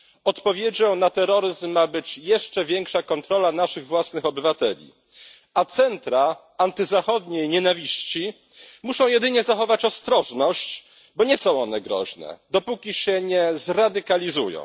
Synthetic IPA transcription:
ɔt̪pɔvʲjed͡ʑɔ̃w̃nat̪ɛɾɔɾɘzmːabɘt͡ɕjɛʂt͡ʂɛvʲjɛŋkʂakɔnt̪ɾɔlanaʂɘɣvwasnɘxɔbɘvat̪ɛlʲḭ | at̪sɛnt̪ɾa | ant̪ɘzaxɔd̪ɲejɲɛnavʲiɕt͡ɕi | muʂɔ̃w̃jɛd̪ɘɲɛzaxɔvat͡ɕɔst̪ɾɔʐnɔɕt͡ɕ | bɔɲɛsɔ̃w̃ɔn̪ɛɡɾɔ̰ʑnɛ̰d̪ɔpukʲiɕɛɲɛzɾad̪ɘkalʲizujɔ̰̃w̃

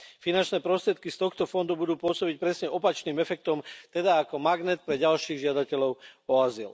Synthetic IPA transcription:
finant͡ʃnɛːpɾɔst̪ɾɪɛt̪kist̪ɔxt̪ɔfɔnd̪ubud̪uːpʊɔsɔbic̚pɾɛsɲɛʔɔpat͡ʃniːmɛfɛk̚t̪ɔmt̪ɛd̪aːkɔmaɡnɛt̪̚pɾɛɟalʃiːɣʒɪad̪acɛlɔʊɔazil

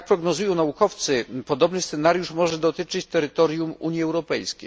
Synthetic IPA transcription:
k̚pɾɔɡnɔzujɔ̃w̃naukɔft̪sɘpɔd̪ɔbnɘst̪sɛnaɾjuʂmɔʐɛd̪ɔt̪ɘt͡ʂɘt͡ɕt̪ɛɾɘt̪ɔɾjumuɲjiɛwɾɔpɛjskkʲejj

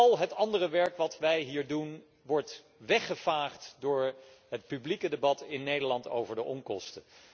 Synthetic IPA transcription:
ɑlˠɦətɑndərəʋɛɹkʋɑtʋɛjɦiːɹdun | ʋɔɹt | ʋɛχəvaːχtdʊːɹ | ɦət̚pyblikədəbɑtɪnːejdəɹlɑnto̰wvəɹdəʔɔŋkɔstə

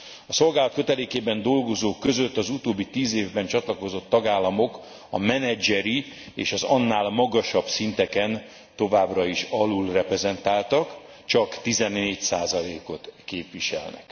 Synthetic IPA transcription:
ɒso̞lɡaːlɒt̪køt̪ɛleːkeːbɛnd̪o̞lɡo̞zoːkːø̞zø̞t̪ːɒzut̪oːbːit̪iːzeːvbɛnt͡ʃɒt̪lɒko̞zo̞t̪ːɒɡaːlːɒmo̞k | ɒmɛnɛd͡ʒɛɾi | ḛːʃɒzɒnːaːlmɒɡɒʃɒbsint̪ɛkɛn | t̪o̞vaːbrɒiʃɒlulrɛpɾɛzɛnt̪aːlt̪ɒk | t͡ʃɒkt̪izɛnːeːcsaːzɒleːko̞t̪keːpʋiʃɛ̰lnɛ̰k

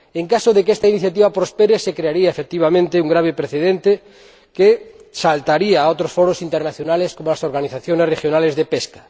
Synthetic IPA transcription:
eŋkasoðekest̪ainiθjat̪iβapɾospeɾesekɾeaɾiaefek̚t̪iβ̞amẽnt̪euŋɡɾaβ̞epɾeθeðent̪e | kesalt̪aɾiaːot̪ɾosfoɾosint̪eɾnaθjonaleskomolasoɾɣaniθaθjonesrexjonalezðepeskḁ

